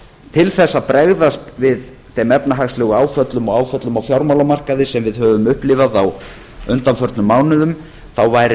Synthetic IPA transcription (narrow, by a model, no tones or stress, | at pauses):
t̪ʰɪlθɛsːapɾɛɣðast̪vɪð | θɛmɛpnaɦaxslɛːɣʏaːwfœt̪lʏmɔɣaːwfœt̪lʏmawfjawɾmawlamar̥kaðɪsɛmvɪðhœːvʏmʏhplɪvaðaw | ʏnt̪anfœɾt̪nʏmːaːwnʏðʏm | θawvajɾ